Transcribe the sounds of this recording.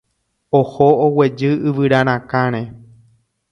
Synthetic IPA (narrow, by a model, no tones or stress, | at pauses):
ohoowe̞d͡ʒɨɨʋɨɾaɾ̃ãkãɾ̃ẽ